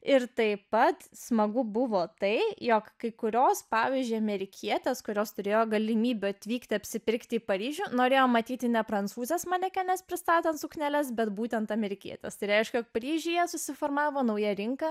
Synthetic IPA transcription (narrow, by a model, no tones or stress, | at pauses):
ɪrt̪ɐɪpɐt̪smɐɡʊbʊʋoːt̪ɐɪjoːkkɐɪkʊɾʲoːspɑːʋʲizʲd͡ʒʲʊɪɐmʲɛɾʲɪkʲʰiɛt̪ʲeːskʊɾʲoːst̪ʊɾʲeːjoːɡɐlʲɪmʲiːbʲʊɐt̪ʲʋʲiːkt̪ʲɪɐpʲsʲɪpʲɪɾʲkt̪ʲɪːpɐɾʲiːʒʲuːnoːɾʲeːjoːmɐt̪ʲiːt̪ʲɪnʲɛpɾɐnt͡ssuːzʲɛsmɐnʲɛkʲɛnʲɛspʲɾʲɪst̪ɑːt̪ʲɛntsʊknʲælʲɛsbʲɛt̪buːt̪ʲɛnt̪ɐmʲɛɾʲɪkʲiɛt̪ʲḛst̪ɐɪɾʲɛɪʃʲkʲɛjoːk̚pɐɾʲiːʒʲiːjɛsʊsʲɪfoːrmɑːʋoːnɐʊjɛɾʲɪŋkɐ